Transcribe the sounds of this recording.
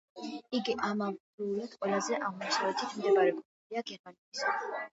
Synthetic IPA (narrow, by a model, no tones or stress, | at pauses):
iɡiʔamamduulat̪qʼwɛlazɛʔaʁnasʰavɛt̪ʰit̪ʰmd̪ɛmaɾɛkʰunɛbiaɡɛɾmanɛt̪ʰis